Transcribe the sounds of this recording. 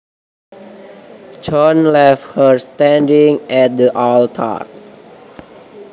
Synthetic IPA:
t͡ʃɔ̃nlɛft̚həɹst̪ɛ̃ndĩŋɛt̚diʔalt̪ʰa̰

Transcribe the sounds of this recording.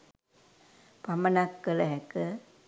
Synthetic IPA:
pamənakːələɦɛkə

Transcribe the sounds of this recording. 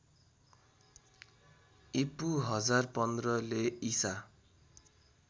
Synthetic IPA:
ipuɦʌd͡zarpʌnd̪rʌleisa

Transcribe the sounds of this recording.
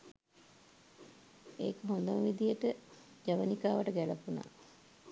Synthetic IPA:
eːkəɦond̪əmʋid̪ijəʈə | d͡ʒaʋənikaːʋaʈəɡæləpuna̰ː

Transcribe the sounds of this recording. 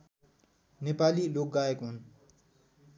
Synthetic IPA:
nepalilok̚ɡajekɦun

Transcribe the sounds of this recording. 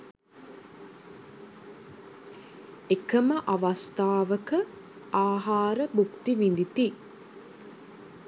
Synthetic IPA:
ekəməʔaʋast̪aːʋəkə | aːɦaːɾəbukt̪iʋind̪it̪i

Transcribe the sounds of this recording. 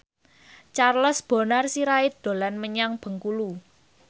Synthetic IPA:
t͡ʃarlɔsb̥o̤narsiɾaɪd̪̥o̤lanməɲaŋb̥ə̤ŋkulu

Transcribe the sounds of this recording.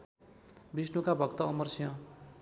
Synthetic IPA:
bisnukabʱʌkt̪ʌːmʌrsijʌ̃

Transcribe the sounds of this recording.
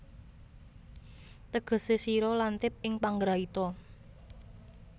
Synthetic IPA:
t̪əɡ̥ə̤sesiɾɔlant̪ɪp̚ɪŋpaŋɡɾait̪ɔ

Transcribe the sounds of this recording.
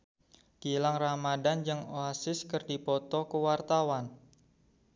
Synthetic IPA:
ɡ̥ilaŋramadand͡ʒɨŋoasɪskərdipɔt̪ɔkəwart̪awan

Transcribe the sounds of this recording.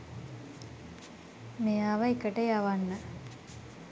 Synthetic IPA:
mejaːʋɐikəʈejaʋanːə

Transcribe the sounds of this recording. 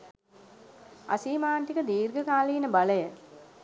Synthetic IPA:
a̰siːmaːɳʈikəd̪iːɾɡəkaːliinəbaləjə

